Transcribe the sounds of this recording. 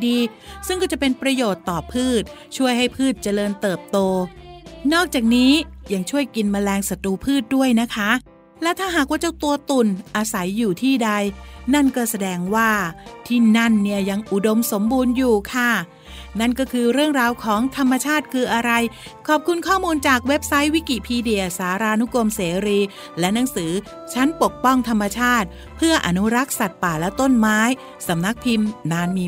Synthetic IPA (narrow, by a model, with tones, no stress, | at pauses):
diː˧ | sɯ˥˩ŋkɔː˥˩t͡ɕa˨˩pe˧npɾa˧joː˨˩t̪ːɔː˨˩pʰɯː˥˩t̪̚ | t͡ɕʰu˥˩əjɦa˥˩jpʰɯː˥˩t̪̚t͡ɕa˧lɤː˧nt̪ɤː˨˩p̚t̪oː˧nɔː˥˩k̚t͡ɕaː˨˩k̚niː˦˥ja˧ŋt͡ɕʰu˥˩əjki˧nma˧lɛː˧ŋsa˧t̪ɾuː˧pʰɯː˥˩t̪̚du˥˩əjna˦˥kʰa˦˥ | lɛː˦˥wt̪ʰaː˥˩ɦaː˨˩k̚waː˥˩t͡ɕa˧˩t̪u˧ɐt̪u˨˩nʔa˧sa˩˦jːuː˨˩t̪ʰiː˥˩da˧jna˥˩nkɔː˥˩sa˧dɛː˧ŋwaː˥˩t̪ʰiː˥˩na˥˩nːi˥˩əja˧ŋʔu˨˩do˧mso˩˦mbuː˧njuː˨˩kʰa˥˩ | na˥˩nkɔː˥˩kʰɯː˧ɾɯ˥˩əŋɾaː˧wkʰɔː˩˦ŋt̪ʰa˧mːa˧t͡ɕʰaː˥˩t̪̚kʰɯː˧ʔa˧ɾa˧j | kʰɔː˨˩p̚kʰu˧nkʰɔː˥˩muː˧nt͡ɕaː˨˩k̚we˦˥p̚sa˦˥jwi˦˥ki˨˩pʰiː˧di˨˩əsaː˩˦ɾaː˧nu˦˥ko˧mseː˩˦ɾiː˧ | lɛ˦˥na˩˦ŋsɯː˩˦ | t͡ɕʰa˦˥npo˨˩k̚pɔ˥˩ŋt̪ʰa˧mːa˧t͡ɕʰaː˥˩t̪̚ | pʰɯ˥˩ɐʔa˧nu˦˥ɾa˦˥k̚sa˨˩t̪̚paː˨˩lɛ˦˥t̪o˥˩nmaː˦˥j | sa˩˦mna˦˥k̚pʰi˧mnaː˧nmiː˧